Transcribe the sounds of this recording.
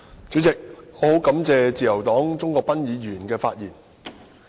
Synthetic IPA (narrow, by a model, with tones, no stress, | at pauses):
t͡sy˨˥t͡sɪ˨k̚ŋɔː˨˧ho˨˥wkɐ˨˥mt͡sɛː˧t͡siː˨˩jɐ˨˩wt̪ɔː˨˥ŋt͡sʊ˥ŋkɔː˧k̚pɐ˥njiː˨˧jyː˨˩nkɛː˧faː˧t̚jiː˨˩n